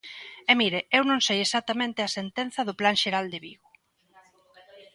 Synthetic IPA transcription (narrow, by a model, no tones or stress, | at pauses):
emiɾeewnõŋsejesat̪amẽnt̪ɪɐsent̪ɛn̟θɐðʊplaŋʃeɾald̪eβiɣʊ